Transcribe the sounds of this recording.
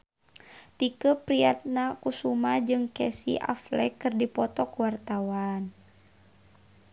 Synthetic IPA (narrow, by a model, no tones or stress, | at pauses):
t̪ikəpɾiat̪̚nakusumad͡ʒɨŋkɛsḭʔa̰flɛ̰kɨrdipɔt̪ɔkuwart̪awan